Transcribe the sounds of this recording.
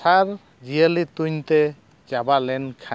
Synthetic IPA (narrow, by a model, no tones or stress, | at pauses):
saɾ | d͡ʒijəlit̪uɲt̪ɛ | d͡ʒabalɛnkʰa